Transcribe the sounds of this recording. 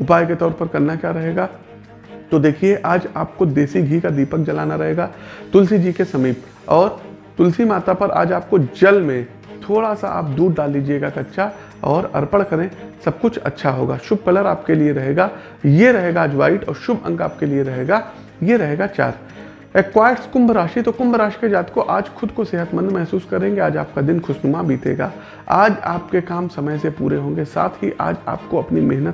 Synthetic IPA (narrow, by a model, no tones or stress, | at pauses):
ʊpaːjket̪ɔːɾpɐɾkɐɾnakjaːɾɐɦeːɡaː | t̪od̪eːkʰieʔaːd͡ʒaːp̚kod̪eːsiɡʱiːkad̪iːpək̚d͡ʒɐlaːnaɾɐɦeːɡaːt̪ʊlsid͡ʒiːkesɐmiːp | ɔːɾ | t̪ʊlsimaːt̪apɐɾa̰ːd͡ʒaːp̚kod͡ʒɐlmẽ | t̪ʰoːɽasa̰a̰ːp̚d̪uːɽɖaːlːiːd͡ʒieːɡakɐtːʃʰa | ɔːɾɐ̰ɾpəɽkɐɾẽsɐb̚kʊt͡ʃʰɐ̰tːʃʰaɦo̰ːɡa̰ːʃʊb̚kɐləɾaːpkelieɾɐɦeːɡa | jeɾɐɦeːɡaaːd͡ʒʋa̰ːɪʈɔ̰ːɾʃʊbɐ̰̃ŋɡa̰ːp̚kelieɾɐɦeːɡa | jeɾɐɦeːɡat͡ʃa̰ːɾ | eːkwaːjəʈskʊ̃mbɾaːʃit̪okʊ̃mbɾaːʃi̥ked͡ʒaːt̪koʔaːd͡ʒxʰʊd̪koseːɦət̪mə̃nd̪mɛɦsuːskɐɾẽːŋɡeaːd͡ʒaːp̚kad̪ɪnxʰʊʃnʊmabʱiːt̪ḛːɡa̰ː | aːd͡ʒa̰ːp̚kekaːmsɐməjsepṵːɾeɦõːŋɡesa̰ːt̪ʰɦiʔa̰ːd͡ʒa̰ːp̚koɐpnimeɦnət̪